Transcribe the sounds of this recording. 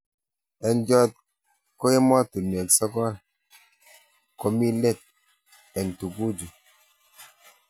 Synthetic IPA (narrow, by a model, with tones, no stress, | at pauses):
ɛ˨nd͡ʒɔ˦t̚ | ko˦e˦mɔ˦tu˨n˨e˨ksɔ˦kɔ˦l | ko˦mi˦le˦˨t̚ | ɛ˨n˨tu˨ku˦d͡ʒu˨